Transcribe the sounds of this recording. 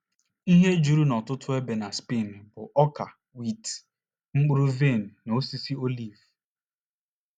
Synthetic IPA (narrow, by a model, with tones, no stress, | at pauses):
i˦ɦe˦d͡ʒu˦ɾu˦nɔ˨tʊ˦tʰʊ˦e˦be˨na˨spi˦˨m˨bʊ˨ʔɔ˦ka˨ | wi˦˨t | ŋ͡m̩˦k͡pu˦ɾu˦ve˦˨n̩˨no˦si˦si˦o˦li˦˨v